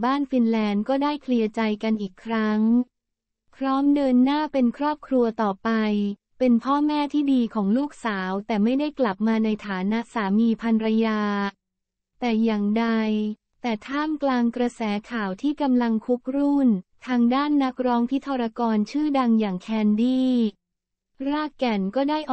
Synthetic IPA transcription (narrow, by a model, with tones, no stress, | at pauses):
baː˥˩nfi˧nlɛː˧nkɔː˥˩daː˥˩jkʰli˧ət͡ɕa˧jka˧nʔiː˨˩kʰːɾa˦˥ŋ | pʰɾɔː˦˥mdɤː˧nːaː˥˩pe˧nkʰɾɔː˥˩p̚kʰɾu˧ɐt̪ɔː˨˩pa˧j | pe˧npʰɔː˥˩mɛː˥˩t̪ʰiː˥˩diː˧kʰɔː˩˦ŋluː˥˩k̚saː˩˦wt̪ɛː˨˩ma˥˩jda˥˩jkla˨˩p̚maː˧na˧jt̪ʰaː˩˦na˦˥ʔsaː˩˦miː˧pʰa˧nɾa˧jaː˧ | t̪ɛː˨˩jaː˨˩ŋda˧j | t̪ɛː˨˩t̪ʰaː˥˩mklaː˧ŋkɾa˧sɛː˩˦kʰaː˨˩wt̪ʰiː˥˩ka˧mla˧ŋkʰu˦˥k̚ɾu˥˩nt̪ʰaː˧ŋdaː˥˩nːa˦˥k̚ɾɔː˦˥ŋpʰi˦˥t̪ʰːɔː˧ɾa˧kɔː˧nt͡ɕʰɯː˥˩da˧ŋjaː˨˩ŋkʰɛː˧ndiː˥˩ | ɾaː˥˩kkːɛ˧˩nkɔː˥˩daː˥˩jʔ